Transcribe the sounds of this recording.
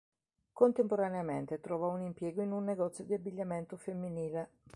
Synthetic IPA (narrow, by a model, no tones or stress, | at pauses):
kont̪empoɾaneamɛnt̪et̪ɾɔvaunimpjɛːɡoinunːeɡɔt̪sːjod̪iabːiʎːamɛnt̪ʊfemːiniːle